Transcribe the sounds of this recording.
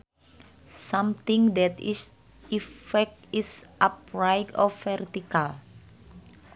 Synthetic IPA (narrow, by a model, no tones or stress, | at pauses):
sãmt̪ĩŋd̪ɛt̪is | ifɛk̚isʔap̚ɹajdɔfɛrt̪ikal